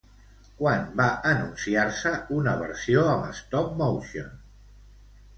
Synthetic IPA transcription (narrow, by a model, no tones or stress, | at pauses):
kwanbaʔənunsiaɾsəunəβ̞ə̰ɾsioəmə̰st̪ɔk̚mowʃion